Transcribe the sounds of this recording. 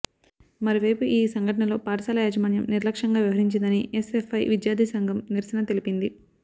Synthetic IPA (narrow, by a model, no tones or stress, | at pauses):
mɐɾoʋɐjpuʔiːsɐŋɡʱɐʈɐɳɐlo̞ːpaːɾɐsaːlɐjaːd͡ʒɐmaːnjɐmniɾlɐkʂɐŋɡaːʋjiʋɐɾiɲt͡ʃind̪ɐniʔesefʰɐjʋid̪jaːd̪ʱisɐŋɡʱɐmniɾsɐnɐt̪e̞lipind̪i